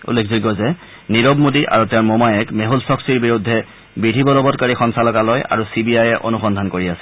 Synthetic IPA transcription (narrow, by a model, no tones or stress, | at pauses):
ṵlːekʰziɡɔzɛ | niɹɔbmudiʔa̰ɹutɛmɔmajɛkmeɦulsɔksiɹbiɹudʱːɛ | bidʱibɔlɔbɔt̚kaɹixɔnsalɔkalɔja̰ɹusibiajɛʔo̰nuxɔndʱankoɹiasɛ̥